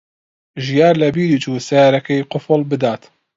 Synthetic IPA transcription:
ʒijaːɾlɐbiːɾiːt͡ʃuːsɛjaːɾɐkɛjqʊfʊlbɨd̪aːt̪

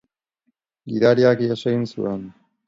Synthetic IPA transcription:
ɡiɾaɾiakiaʃeinsṵen

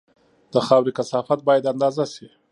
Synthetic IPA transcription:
d̪̥əxɑwɾikasɑfat̪̚bɑjad̪and̪ɑzasi

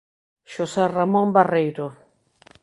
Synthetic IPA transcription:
ʃosɛramõmbarejɾo

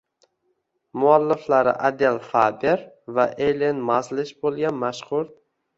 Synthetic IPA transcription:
mʊalːɪflaɾɪ̰ʔad̪elfaːbeɾ | vaʔelenmɑslɪʃbolˠɡʲanmaʃχʊɾ

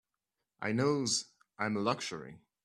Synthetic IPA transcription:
ʔa̰ɪnoʊz | ʔãɪ̃mlʌkʃə̰˞ḭ

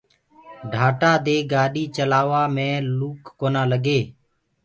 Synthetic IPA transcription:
ɖʱaːʈaːd̪eːɡaːɗiːt͡ʃəlaːʋaːmẽːluːkːoːnaːləɡeː

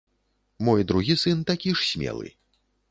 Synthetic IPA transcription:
mɔjd̪ɾuɣʲisɨnt̪akʲiʂsʲmʲɛ̰lˠɨ̰

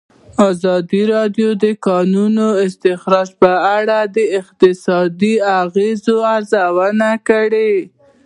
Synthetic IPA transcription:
ɑzɑd̪iɾɑd̪jod̪əkɑnunoɪst̪ɪxɾɑd͡ʒpəaɽad̪əɪq̚t̪ɪsɑd̪iaɣezoaɾzawənakəɽe

